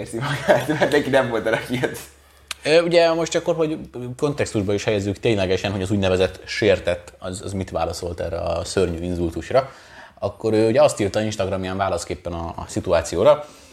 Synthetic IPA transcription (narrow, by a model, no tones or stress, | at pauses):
erzimɒɡaːt̪at̪nɛŋkinɛmvo̞lt̪ɛlɛkiɛt̪ | øːuɟɛmo̞ʃt̪ɒkːo̞rɦo̞ɟko̞nt̪ɛkst̪uʒbɒiʃhɛjɛzːykt̪eːɲlɛɡɛʃɛnɦo̞ɟɒzuːɟnɛvɛzɛt̪ʃeːrt̪ɛt̪ːɒzɒ̰zmit̪ʋa̰ːlɒso̞lt̪ɛ̰rɛɒsørɲyːinzult̪uʃrɒ | ɒkːo̞ɾøːuɟɛɒst̪iːrt̪ɒinʃt̪ɒɡrɒmjaːɱvaːlɒskeːpːɛnɒ̰sit̪uaːt̪sijoːɾɒ